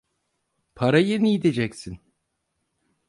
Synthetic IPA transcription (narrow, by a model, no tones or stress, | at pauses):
pʰaɾajenijid̪ed͡ʒɛcsin